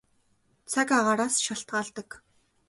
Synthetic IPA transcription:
t͡sʰakaʁaːɾaːsʃaɬt̪̚ɢaːɮt̪ə̆k

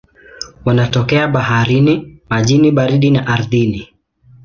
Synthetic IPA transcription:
wanatɔkɛaɓahaɾinimaʄiniɓaɾiɗinaʔaɾðini

